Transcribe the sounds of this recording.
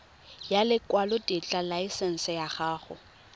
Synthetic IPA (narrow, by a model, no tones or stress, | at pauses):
jalɪkʼwalʊtʼɪt͡ɬʼalaisɛn̩sɪjaχaːχʊ̰